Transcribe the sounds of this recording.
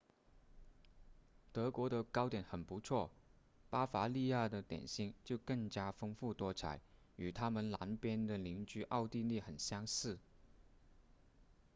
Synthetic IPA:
t̪ɤ˧˥kwɔ˧˥d̪ə˧kɑ˥ʊt̪jɛ˨˩˥nxə˨˩npu˧˥t͡sʰwɔ˥˩ | pa˥fa˧˥li˥˧ja˥˩d̪ə˩t̪jɛ̰˨˩nɕi˥˩ŋt͡ɕjo˥˧ʊkɤ˥˩ŋt͡ɕja˥fɤ˥ŋfu˥˩t̪wɔ˥t͡sʰa̰˧˩˦ɪ | y˨˩t̪ʰa˥mə˨nla˧˥npjɛ˥nd̪ə˨li˧˥ŋt͡ɕy˥ʔɑ˥˧ʊt̪i˥˧li˥˩xə˨˩nɕjɑ˥ŋsɹ̩˥˩

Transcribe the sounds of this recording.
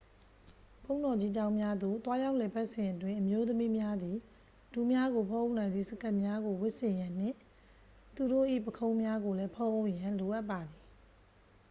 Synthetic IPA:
pʰõ˦ʊ̃ndɔ˨d͡ʑi˦d͡ʑã˦ʊ̃mja˦d̪o̰˦˨t̪wa˦ja˦ʊʔlɛ˨pa˦ʔsɪ̃˨ʔət̬wɪ̃˦˨ʔəmjo˦t̪əmi˦mja˦d̪i˨ | d̥u˨mja˦ɣo˨pʰõ˦ʔo˦˨ʔnã˨ɪ̃nd̪i˦˨səka˦ʔmja˦ɡo˨wɪ˦ʔsɪ̃˨jã˨n̥ɪ̰̃˦˨ | t̪u˨ɾo̰˦˨ʔḭ˦˨pəkʰõ˦ʊ̃mja˦ɡo˨lɛ˦pʰõ˦ʔo˦ʊʔjã˨lo˨ʔa˦ʔpːa˨d̪i˨

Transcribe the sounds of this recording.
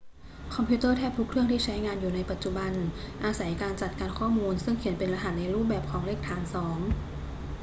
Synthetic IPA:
kʰɔ˧mpʰiː˧˦˥t̪ɤː˥˩t̪ʰɛː˥˩p̚t̪ʰu˦˥kʰɾɯ˥˩əŋt̪ʰiː˥˩t͡ɕʰa˦˥jŋaː˧njuː˨˩na˧jpa˨˩t̪̚t͡ɕu˨˩ba˧nʔaː˧sa˩˦jkaː˧nt͡ɕa˨˩t̪̚kaː˧nkʰɔː˥˩muː˧nsɯ˥˩ŋkʰi˨˩˦ənpe˧nɾa˧ɦa˨˩t̪̚na˧jɾuː˥˩p̬̚bɛː˨˩p̚kʰɔː˩˦ŋleː˥˩k̚t̪ʰaː˧nsɔː˩˦ŋ

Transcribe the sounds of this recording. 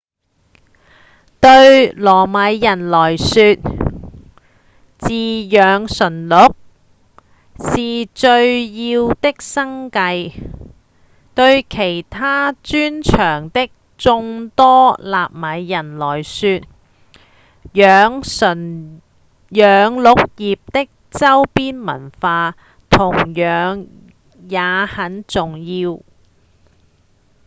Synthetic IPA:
t̪ɵ˧ɥlɔː˨˩mɐ˨˧jːɐ˨˩nlɔː˨˩jsyː˧t̚ | t͡siː˨jœː˨˧ŋsɵ˨˩nlʊ˨˥k̚ | siː˨t͡ʃɵ˧ɥjiː˧wt̪ɪ˥k̚sɐ˥ŋkɐ˧j | t̪ɵ˧ɥkʰe˨˩jt̪ʰaː˥t͡ʃyː˥nt͡ʃʰœː˨˩ŋt̪ɪ˥k̚ | t͡sʊ˧ŋt̪ɔː˥laː˨p̚mɐ˨˥jːɐ˨˩nlɔː˨˩jsyː˧t̚ | jœː˨˧ŋsɵ˨˩n | jœː˨˧ŋlʊ˨˥k̚jiː˨p̚t̪ɪ˥k̚ | t͡sɐ˥wpiː˥nmɐ̰˨˩nfaː˧ | t̪ʰʊ˨˩ŋjœː˨˧˥ŋ | jaː˨˧hɐ˨˥nt͡sʊ˨ŋjiː˧w

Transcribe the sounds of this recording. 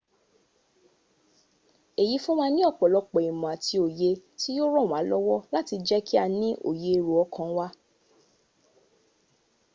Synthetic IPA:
e˨ji˨˦fũ˦mã˦˧nĩ˦ɔ˦˨k͡pɔ˨lɔ˨˧k͡pɔ˨i˨mɔ̃˨a˨tʰi˧o˨je˧ti˦jo˦ɾɔ˦˨w̃ã˨˦lɔ˦wɔ˦la˦ti˧d͡ʒɛ˦kʰi˦a˧nĩ˦ʔo̰˦˨je˧ɾo˨ɔ˨˦kʰã˧˦wa˦

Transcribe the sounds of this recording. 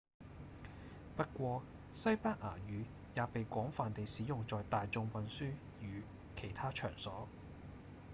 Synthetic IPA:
pɐ˥t̚kʷɔː˧ | sɐ˥jpaː˥k̚ʔa̰ː˨˩jyː˨˧ | jaː˨˧pe˨jkʷɔː˨˥ŋfaː˨nt̪e˨jsiː˨˥jʊ˨ŋt͡sɔː˨jt̪aː˨jt͡sʊ˧ŋwɐ˨˧nsyː˥ | jyː˨˧ | kʰe˨˩jt̪ʰaː˥t͡ʃʰœ̰ː˨˩ŋsɔː˨˥

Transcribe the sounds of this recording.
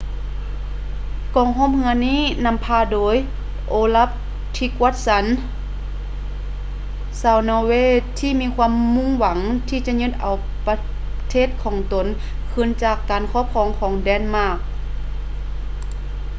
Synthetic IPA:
kɔː˨˩ŋɦo˧˥˨mhɯ˧əniː˥˨na˧˥˨mpʰaː˧doː˨˦j | ʔoː˧˦la˧˥p̚ | t̪ʰi˧ku˧ət̪̚sa˨˦n | saː˧˩wnɔː˧weː˧˨t̪ʰiː˧˨miː˧˥˨kʰwaː˧˥˨mːu˧˥˨ŋwa˨˦ŋt̪ʰiː˧˨t͡ɕa˧ʔɲɯ˧˥t̪̚ʔa˨˩w | pa˧ | t̪ʰeː˥˩t̪̚kʰɔː˨˦ŋt̪o˨˦n | kʰɯ˧˥˨nt͡ɕaː˧˩kːaː˨˩nkʰɔː˧˥˨p̚kʰɔː˧˩˨ŋkʰɔː˨˦ŋdɛː˧˩nmaː˧˥˩k̚

